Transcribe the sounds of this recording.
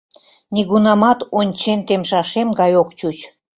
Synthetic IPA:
nʲiɣunɑmɑt̪onʲt͡ɕent̪emʃɑʃemɡɑjokt͡ɕut͡ɕ

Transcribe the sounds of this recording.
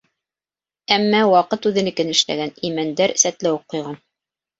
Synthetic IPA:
æmːæwɑqɤt̪ʉðɘ̆nɘ̆kɘnɘ̆ʃlæ̰ɡænimænd̪æɾsæt̪læwoq̚ːŏjʁɑn

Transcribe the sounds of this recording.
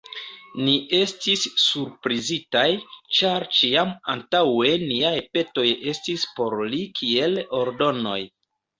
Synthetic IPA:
niʔe̞stisːuɾpɾizitajt͡ʃaɾt͡ʃiama̰ntawe̞niajpe̞to̞je̞stispo̞ɾlikʰie̞lo̞ɾdo̞no̞̰j

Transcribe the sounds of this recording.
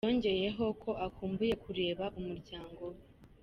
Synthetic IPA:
o̞ːɲɟe̞je̞ɦo̞kʰo̞akuːmbuje̞kuɾe̞ːβaʔumuɾɟaːŋɡo̞we

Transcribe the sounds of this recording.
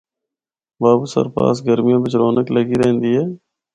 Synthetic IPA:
baːbusə̰ɾpa̰ːsɡəɾmijãːbɪt͡ʃɾoːnəkləɡiɾɛɦɪ̃nd̪iɦɛː

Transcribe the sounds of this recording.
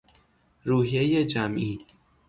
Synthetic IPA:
ɾuːɦijejed͡ʒamʔiː

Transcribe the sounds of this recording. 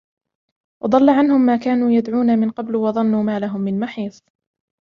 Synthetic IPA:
wʔɑd̪ˤɑlːaʕanhʊmːaːkaːnuːjad̪ʕuːnamɪnqɑblwɑðˤɑnːuːmaːlaɦʊmːɪnmaħiːθˤ

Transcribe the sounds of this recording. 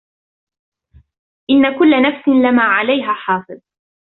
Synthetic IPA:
ʔɪnːakʊlːanafsɪnlɪmaːʕalajɦaːħɑːfɨðˤ

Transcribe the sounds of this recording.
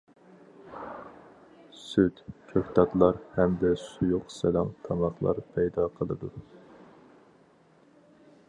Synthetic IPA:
syt̪kʲʰøkʲt̪ʰɑt̪lˠɑɾhɛmd̪ɛsujuqsɛlɑmt̪ʰɑmɑχlˠɑ̰ɾpʰɛjd̪ɑqʰəlˠɨd̪u

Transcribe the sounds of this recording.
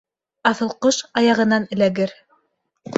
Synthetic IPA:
ɑθɤ̆lˠqɤʃɑjɑʁɤ̆nɑnɘ̆læɡɘɾ

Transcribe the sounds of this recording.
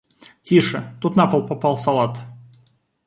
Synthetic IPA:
tʲiʂɨt̪ut̪napəlˠpapalˠsɐlˠat̪

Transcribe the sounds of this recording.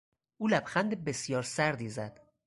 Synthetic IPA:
ʔuːlæb̥xænd̪ebesjɒːɾsæɾd̪iːzæd̪̥

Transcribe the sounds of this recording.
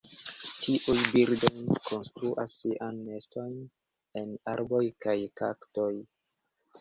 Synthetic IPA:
tʰiʔujbiɾdo̞jkʰo̞nstɾuʔasːiʔanme̞sto̞jn | e̞naɾbo̞jkajkaktoj

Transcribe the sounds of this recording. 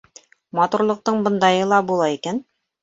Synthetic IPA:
mɑt̪uɾlˠɤ̆q̚t̪ɤɴbɤ̆nd̪ɑjɤlˠɑbulˠɑikæn

